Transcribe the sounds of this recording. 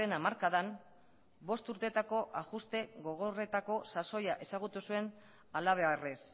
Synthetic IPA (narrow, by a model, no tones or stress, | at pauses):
enamaɾkaðan | bo̞st̪uɾt̪e̞t̪ako̞ʔaɣust̪e̞ɣo̞ɣ̞o̞re̞t̪ako̞saso̞jaʔe̞saɣut̪usue̞n | alaβ̞e̞ares